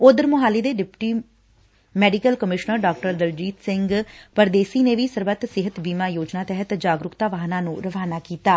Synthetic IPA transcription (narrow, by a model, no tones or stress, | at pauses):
ʊd̪əɾmʊɦaːleːd̪eːɖɪpʈiː | mɛːɖikəlkəmɪʃnəɾɖaːk̚ʈəɾd̪əld͡ʒiːt̪sɪŋɡpəɾd̪eːsiːneːʋiːsəɾbət̪sɪɦət̪biːmaːjoːd͡ʒnaːt̪ɛɦət̪d͡ʒaːɡɾʊkt̪aːʋaːɦnãːnũːɾəʋaːnaːkiːt̪aː